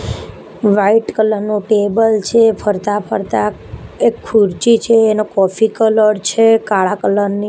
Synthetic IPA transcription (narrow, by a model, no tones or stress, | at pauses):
ʋaiʈkələɾnuʈebəlt͡ʃʰepʰəɾt̪apʰəɾt̪a | ekʰːuɾt͡ʃit͡ʃʰeːnokɔfikələɽt͡ʃʰekaɭakələɾni